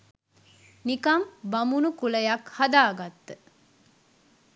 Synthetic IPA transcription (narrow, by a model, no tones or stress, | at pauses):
nikambamunukuləjakhad̪aːɡat̪ːə